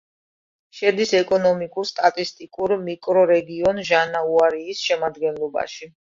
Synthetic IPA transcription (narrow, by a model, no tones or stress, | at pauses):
ʃɛd̪isɛkʼɔnɔmikʼuɾst̪ʼat̪ʼist̪ʼikʼuɾmikʼɾɔɾɛɡiɔnʒanauaɾiːsʃɛmad̪ɡɛnlˠɔba̰ʃi